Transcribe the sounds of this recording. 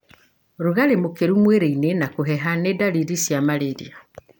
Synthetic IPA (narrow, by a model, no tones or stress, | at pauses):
ɾoɣaɾemokeɾumweɾeinenakoɦɛɦanedaliɾisjamaɾeɾḭa